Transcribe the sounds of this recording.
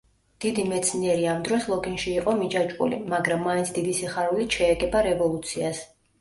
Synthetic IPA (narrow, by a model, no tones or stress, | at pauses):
d̪̥id̪imɛt̪sʰniɛɾiamd̪ɾɔslˠɔɡinʃiːqʼɔmid͡ʒat͡ʃʼkʼṵlḭmaɡɾamːaint̪sʰd̪id̪isiχaɾulit̪ʃɛːɡɛbaɾɛvɔlˠut̪sʰias